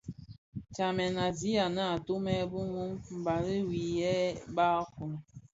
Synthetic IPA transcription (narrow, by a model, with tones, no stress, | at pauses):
t͡ʃa˨mɛ˨na˨di˦a˨na˦˨tu˦mɛ˦bu˦ŋu˦mm̩˨ba˨ɾi˦wi˨jɛ˦ba˦ku˨n˨